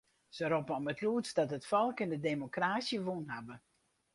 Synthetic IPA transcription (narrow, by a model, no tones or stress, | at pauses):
səɾɔpəɔmətluətsdɑtətfɔlˠkɪndədemokraːsjəʋunɦabə